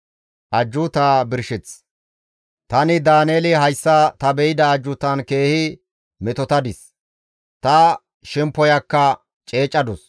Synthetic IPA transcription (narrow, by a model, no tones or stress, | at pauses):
ʔɐd͡ʒːʊt̪aːbɪɾʃɪt͡s | t̪ɐnɪd̪aːneːlɪɦɐjsːɐt̪ɐbɛjɪd̪ɐːd͡ʒːʊt̪ɐnke̞ːhɪ | mɛt̪ɔt̪ɐd̪ɪs | t̪ɐ | ʃɛmpːɔjɐkːɐ | t͡ʃʼe̞ːt͡ʃʼːɐd̪ɔs